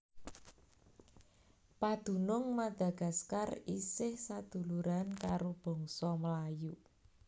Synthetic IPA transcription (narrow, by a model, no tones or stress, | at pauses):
pad̪̥ṳnʊŋmad̪̥ä̤ɡ̥ä̤skarisɪhsad̪̥ṳluɾankaɾob̥ɔ̤ŋsɔməlaju